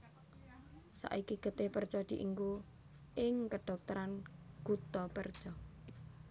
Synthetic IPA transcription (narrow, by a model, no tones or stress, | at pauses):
sa̰ʔikiɡ̥ə̤t̪epərt͡ʃɔd̪̥i̤ʔiŋɡu | ʔɪŋkəɖ̪̥ɔ̤k̚t̪əɾanɡ̥ut̪ɔpərd̥ʒ̥ɔ